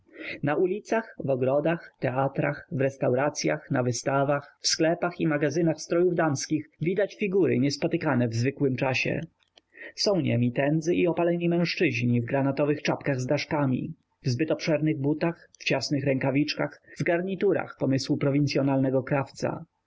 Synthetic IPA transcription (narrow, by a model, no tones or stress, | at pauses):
naʔulʲit̪saxvɔɡɾɔd̪axt̪ɛat̪ɾaxvɾɛst̪awɾat̪sʲja̰xnavɘst̪avaxfsklɛpaximaɡazɘnaxst̪ɾɔjuvd̪amskʲixvʲid̪at͡ɕfʲiɡuɾɘ̰ɲɛspɔt̪ɘkanɛvzvɘkwɘmt͡ʂaɕɛ̰ | sɔ̃w̃ɲɛ̰mʲit̪ɛnd̪zɘʔiɔpalɛɲimɛ̃w̃ʂt͡ʂɘʑɲivɡɾanat̪ɔvɘxt͡ʂapkaɣzd̪aʂkamʲḭ | vzbɘt̪ɔpʂɛɾnɘɣbut̪axft͡ɕasnɘxɾɛŋkavʲit͡ʂkaxvɡaɾɲit̪uɾa̰xpɔmɘswupɾɔvʲint̪sʲjɔnalnɛɡɔkɾaft̪sa̰